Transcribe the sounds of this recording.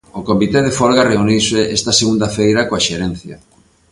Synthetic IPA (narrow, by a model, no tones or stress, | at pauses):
okomit̪ɛðefolɣareuniwseʔɛst̪ɐseɣund̪afejɾakoaʃeɾɛn̟θja